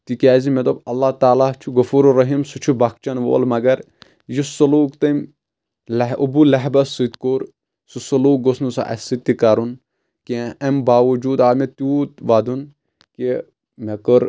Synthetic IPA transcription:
t̪ikʲaːzimet̪obɐlːat̪aːlat͡ʃʰuɣɐfuːɾɾɐɦiːmsut͡ʃʰubak̚t͡ʃɐnʋo̰ːlmɐɡɐɾ | jisɐluːkt̪ɐm | lɐɦubulɐɦbɐsit̪koːɾ | susɐluːk̚ɡosnusa̰ʔɐ̰sit̪ːikɐɾun | keɐmbaːʋɐd͡ʒuːd̪aːmet̪juːt̪ʋad̪un | ke | mekəɾ

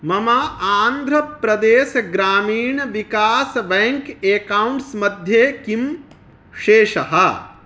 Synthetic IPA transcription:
mɐmɐaːnd̪ʱɾɐpɾɐd̪eːʃɐɡɾaːmiːɳʋikaːsʋɛŋkeːkɐwɳʈsmɐd̪ʱjeːkim | ʃeːʃɐɦɐ

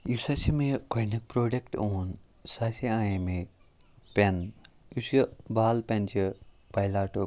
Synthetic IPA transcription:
jusɐsimẽkojnɐk̚pɾoːɖekʈoːn | saːsiaːjeme | pʲɐn | usbaːlpʲɐnt͡ʃʰi | pɐjlaːʈo

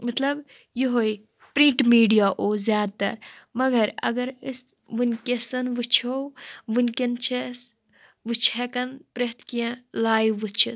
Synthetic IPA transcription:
mɐt̪lɐb | jiɦoj | pɾĩɳʈmiːɖijaːʔoːzjaːd̪̚t̪ɐ̰ɾmɐɡɐɾɐ̰ɡɐɾɨs | ʋɨnʲkʲesɐnʋɨt͡ʃʰowʋɨnʲkʲent͡ʃʰes | ʋɨt͡ʃʰekɐnpɾet̪kijẽlaːjʋɨt͡ʃʰi

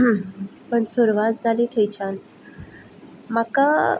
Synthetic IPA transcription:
pəɳsuɾʋat̪̚d͡zʱaliːt̪ʰejt͡ɕan | maka

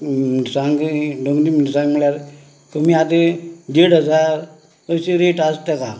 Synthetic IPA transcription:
sãŋɡɖoŋɡd̪iməɳsãŋɡm̤əɭjaɾ | kəmiːat̪ed̪eɽəd͡zaɾ | əɕeɾeʈast̪eka

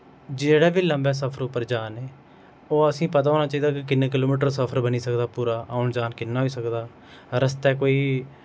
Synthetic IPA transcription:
d͡ʒeːɽɛːʋiːləmbɛːsəpʰəɾʊpːəɾd͡ʒaːneː | oːəsĩːpət̪aːɦoːnaːt͡ʃaːiːd̪aːkɪkɪnːeːk̬ɪloːmiːʈ̬əɾsəpʰəɾbəniːsəkd̪aːpuːɾaːʔaːʊɳd͡ʒaːnkɪnːaːɦiːsəkd̪aː | ɾəst̪ɛːkoːiː

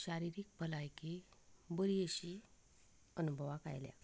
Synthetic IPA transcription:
ɕaɾiɾiːk̚pəlajkibəɾijeɕi | ənubʱəʋaka̰jlja̰

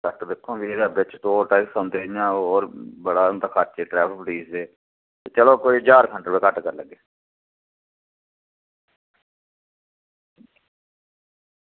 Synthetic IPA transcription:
kəʈd̪ekʰːõːbieːd̪abɪt͡ʃt̪oːʈaɪksãːnd̪eːjãːooːɾbəɽaːnd̪aːkʰaːɾt͡ʃeːʈɾɛːpʰpɽiːseː | t̪eːt͡ʃəloːkoːiːd͡ʒaːɾkʰəɳʈəɾbeːkəʈkəɾləɡeː

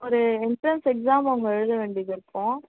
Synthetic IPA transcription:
ɔɾɯɪɳʈɾɐnsɛksaːmɐʋɐŋɡɐɛɻɯðɐʋeːɳɖiðɪɾɯkːõː

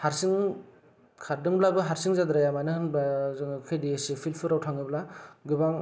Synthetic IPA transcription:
haɾsiŋ | kʰaɾdɯŋblabɯɦaɾsiŋzad̪ɾajamanɯhɯnbazɯŋkʰɯjdiesipʰilpʰɯɾawtʰaŋɯblaɡɯbaŋ

